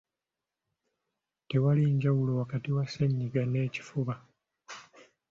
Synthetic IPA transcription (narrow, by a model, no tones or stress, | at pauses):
te̞waliɲɟawulo̞wakatiwaseɲːiɡane̞ːci̥fuβa